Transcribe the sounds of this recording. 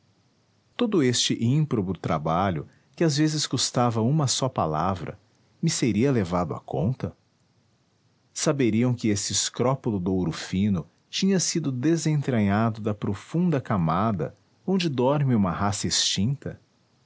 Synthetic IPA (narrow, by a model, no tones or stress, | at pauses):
t̪od̪ʊest͡ʃɪʔĩpɾobʊd̪t̪ɾabaʎʊ | kɪazvezɪskost̪avɐũmɐsɔpa̰la̰vɾɐ̰ | mɪseɾiɐlevad̪ʊa̰kõ̰nt̪ɐ | sabeɾiɐ̃w̃kɪesɪɪskɾɔpolʊd̪owɾʊfĩnʊ | t͡ʃĩɲɐsid̪ʊd̪ezẽnt̪ɾɐɲad̪ʊd̪ɐpɾofũnd̪ɐkamad̪ɐ̰ | õnd͡ʒɪd̪ɔɾmɪũmɐɦasɐest͡ʃĩnt̪ɐ